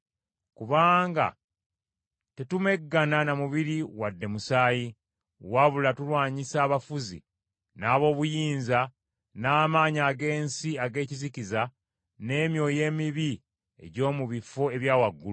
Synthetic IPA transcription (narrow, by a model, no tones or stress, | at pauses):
kuβaːŋɡa̰ | te̞tume̞ɡːananamuβiɾiwadːe̞musaːji | waβulatulwaːɲisaːβafuzḭ | naːβo̞ːβujiːnza | naːmaːɲaːɡe̞ːnsiaɡe̞ːciziciza | ne̞ːmjo̞ːje̞ːmiβi | e̞̰ɟo̞ːmuβifo̞e̞βjaːwaɡːul